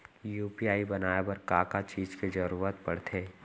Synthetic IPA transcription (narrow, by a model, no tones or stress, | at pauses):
juːpiaːibɐnaːjabɐɾkakat͡ʃiːd͡ʒked͡ʒɐɾuːɾət̪pɐɽt̪ʰeː